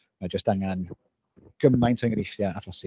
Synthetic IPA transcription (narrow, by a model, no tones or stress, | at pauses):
mad͡ʒəstaŋan | ɡ̥əmajntʰɔjŋɾɪʃtjaaflɔsi